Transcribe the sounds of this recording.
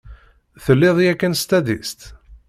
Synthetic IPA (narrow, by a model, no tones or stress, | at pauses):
θəlːɪðˤjækːənst̪æd̪ḭst̪